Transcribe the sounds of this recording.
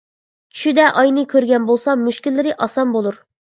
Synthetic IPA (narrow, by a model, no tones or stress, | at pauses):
t͡ʃʰy̥ʃyd̪ɛʔɑjnɨkʲʰøɾɡʲɛnbolˠsɑmyʃkʲilːɪɾɪʔɑsɑnbolˠuɾ